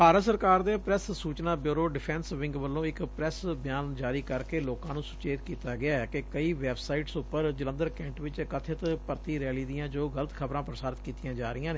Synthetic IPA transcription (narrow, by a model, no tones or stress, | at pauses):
b̥ʱaːɾət̪səɾkaːɾd̪eːpɾɛssuːt͡ʃnãːbjuːɾoːɖɪpʰɛ̃ːnsʋɪ̃ŋɡʋəlːõːɪkpɾɛsbɪjaːnd͡ʒaːɾiːkəɾkeːloːkãːnũːsʊ̥t͡ʃeːt̪kiːt̪aːɡɪaːɛkekəiːʋɛːbsaːiːʈsʊpːəɾd͡ʒələ̃nd̪əɾkɛ̃ːɳʈʋɪt͡ʃkət̪ʰɪt̪pəɾt̪iːɾɛːliːd̪ijãːd͡ʒoːɡələt̪kʰəbɾãːpɾəsaːɾɪt̪kiːt̪ɪjãːd͡ʒaːɾɪjãːneː